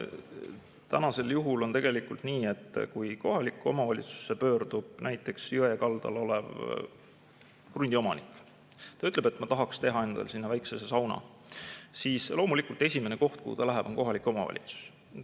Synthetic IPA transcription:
t̪ænɑse̞ljuɦulo̞nt̪e̞ɡ̥e̞likːult̪niːe̞t̪ːˑkujko̞ɦɑlikːˑo̞mɑvɑlʲit̪su̥sːe̞pø̞ːrd̪̥ub̥̚nʔæjt̪ˑːe̞ksjyejɑkɑld̪̥ɑ̰lo̞le̞v | krund̪̥ʲiomɑnikːˑ | t̪ɑyt̪ˑleb̥e̞t̪ːˑmɑt̪ɑɦɑkst̪e̞ɦɑe̞nd̪̥ɑ̰lsinːɑvæjksesesɑwnɑ̰ | siːslo̞ːmulikˑult̪ˑe̞sʲime̞neko̞ht̪̚kṵhṵt̪ɑlæɦeb̥o̞nko̞ɦɑlikːˑo̞mɑ̰vɑ̰lḭt̪su̥s

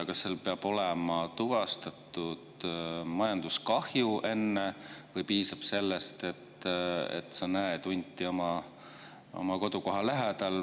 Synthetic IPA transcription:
kɑselpe̞ɑb̥o̞lɛmɑt̪uvɑst̪ɑt̪ːˑud̪̥mɑjɑnd̪̥uskɑhjuʔe̞nːevɤjpiːsɑb̥se̞lːest̪e̞t̪ːḛt̪senæet̪unʲt̪ʲːˑio̞mɑ | o̞̰mɑko̞d̪uko̞ɦɑlæɦed̪̥ɑl

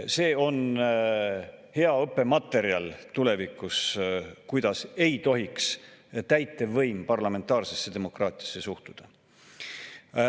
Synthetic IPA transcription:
se̞ːo̞n | he̞ɑɤpːe̞mɑt̪ːe̞ɾiɑlt̪ule̞vikːˑuskujd̪̥ɑse̞jt̪o̞ɦikst̪æjt̪ˑːe̞vɤjmpɑrlɑme̞nt̪ːˑɑːrse̞sːe̞d̪̥emo̞krɑːt̪ʲˑiɑsːe̞suht̪ud̪̥ɑ

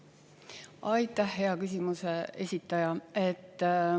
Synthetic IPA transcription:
ɑjt̪ːˑæhɦe̞ɑkysʲimusee̞sʲit̪ːˑɑjɑe̞t̪ˑː

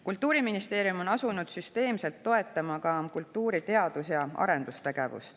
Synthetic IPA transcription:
kult̪ːˑuːɾiminist̪e̞ːɾijumo̞nɑsunud̪̥syst̪e̞ːmse̞lt̪ːo̞e̞t̪ːˑɑmɑkɑkult̪ːuːɾit̪e̞ɑd̪̥usjɑɑ̰ɾe̞nd̪̥ust̪e̞ɡ̥e̞vṵst̪

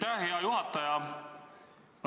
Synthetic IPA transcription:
æheɑjuɦɑt̪ːˑɑjɑ

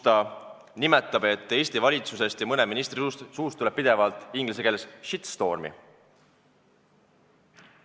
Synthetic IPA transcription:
t̪ɑ | nimet̪ˑːɑb̥e̞t̪ːe̞ːsʲt̪ivɑlʲit̪suse̞st̪jɑmɤne̞minist̪risust̪suːst̪ːulep̚pid̪e̞vɑlt̪ːˑiŋɡlʲis̬e̞keːlesʃit̪st̪o̞ːrmḭ

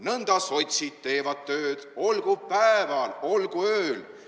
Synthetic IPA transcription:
nɤnd̪̥ɑso̞t̪ʲsʲit̪t̪e̞ːvɑd̪̥̚t̪ø̞ːd̪̥o̞lɡ̥upæevɑlo̞lɡ̥uøːl

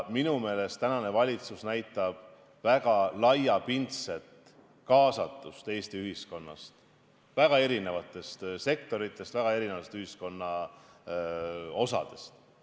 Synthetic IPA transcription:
minume̞ːle̞st̪ænɑne̞vɑlʲit̪susnæjt̪ˑːɑb̥ | væɡ̥ɑlɑjɑpint̪set̪ | kɑːsɑt̪ːˑust̪eːst̪iyɦisko̞nːɑ̰st̪ | væɡ̥ɑe̞ɾine̞vɑt̪ˑːe̞st̪se̞k̚t̪o̞ɾit̪ˑːe̞st̪væɡ̥ɑe̞ɾinevɑt̪est̪yhisko̞nːɑ | o̞sɑ̰d̪̥e̞̥st̪

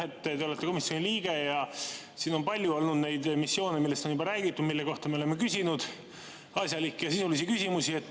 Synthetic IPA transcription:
et̪ːt̪e̞o̞le̞t̪ːe̞ko̞misʲjo̞niliːɡ̥e̞jɑ | siːno̞npɑlʲːjuo̞lnud̪̥nejd̪misːjo̞ːnemilːe̞st̪o̞nybɑɾæːɡit̪ˑːud̪̥milːe̞ko̞ht̪ɑme̞olemːe̞kysʲinud̪̥ | ɑsʲjɑlikːejɑsisulisikysʲimusie̞t̪ːˑ

